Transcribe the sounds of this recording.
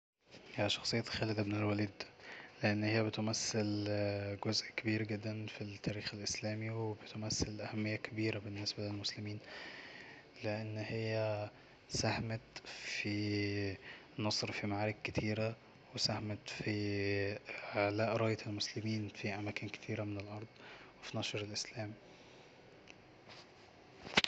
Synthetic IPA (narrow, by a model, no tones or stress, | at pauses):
jæʃɑ̥xsˤejːɑtxæːled̪æbenelwæliːd̪leʔenːhejːæbet̪mæsːelɡozʔkæbiːɾɡed̪ːænfit̪ʰːæːɾiːxelʔeslæːmiwebet̪omæsːelʔæhæmːejːækʰæbiːɾæbenːesbælælmoslemiːn | leʔenːhejːæ | sæhmæt̪fi | nɑsˤɾfimaʕaːɾekkæt̪ʰiːɾæ | wesæhæmæt̪fi | ʕalæːʔɾˤɑːjet̪elmoslɪmiːnfiʔæmæːkenke̥t̪ʰiːɾæmenelʔɑɾˤd̪ˤwefinɑʃɾelʔeslæːmi